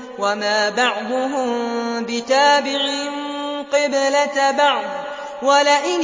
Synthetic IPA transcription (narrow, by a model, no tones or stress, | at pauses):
wamaːbɑʕd̪ˤʊɦʊmbɪt̪aːbɪʕɪnqɨblatbɑʕd̪ˤ | walaʔɪn